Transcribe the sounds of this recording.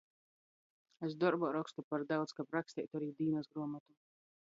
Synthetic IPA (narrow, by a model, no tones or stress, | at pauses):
es̬d̪ɔɾbɔɾɔkst̪upaɾd̪awt̪skapɾakst̪ʲɛ̰jt̪uaɾiːd̪iːnasɡɾuɔmat̪u